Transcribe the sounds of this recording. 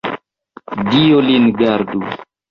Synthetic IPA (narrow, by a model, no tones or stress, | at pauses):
diolinɡaɾdu